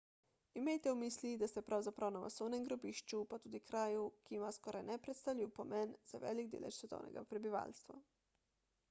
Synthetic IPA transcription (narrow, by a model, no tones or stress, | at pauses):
imejt̪ɛumislid̪ast̪ɛpɾawzapɾawnama̰soːwnɛmɡɾobiʃt͡ʃupat̪uːd̪ikɾaːjukiimaskɔɾajnɛpɾɛt̪st̪awlʲiwpomɛnz̥aʋɛ̰ːliɡd̪ḛːlɛ̰ʃsʋɛt̪ɔ̰wnɛ̰ɡa̰pɾɛbiʋa̰ːlst̪ʋa